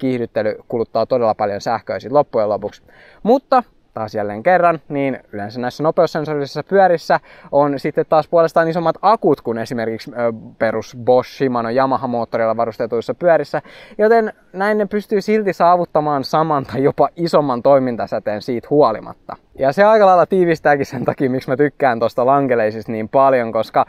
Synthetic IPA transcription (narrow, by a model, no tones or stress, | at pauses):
kihdyt̪ːelykulut̪ːɑːt̪odelːɑpɑljonsæhkø̰ˑisit̪lopːujelo̞puks | mut̪ːɑ | t̪ɑːsjælːḛːŋkerːɑnniːnylensænæisːænopeosːensorissːɑpyæɾisːæ | onsit̪ːet̪tɑːspuolest̪ɑːnisomːɑt̪ɑkut̪kunesimerkikspeɾusboʃːimɑnojɑmɑhɑmoːt̪ːoɾilːɑʋɑrust̪et̪uisːɑpyæɾisːæjot̪en | næinːepyst̪yːsilt̪isɑːʋut̪ːɑmɑːnsɑmɑnt̪ɑjjopɑisomːɑnt̪o̞imint̪ɑsæt̪eːnsiːt̪huolḭmɑ̰t̪ːɑ̰ | jɑseɑikɑlɑilːɑt̪iːʋist̪æːkissent̪ɑkiːmiksmæt̪ykːæːnt̪ost̪ɑlɑŋkeleisist̪niːmpɑljoŋkoskɑ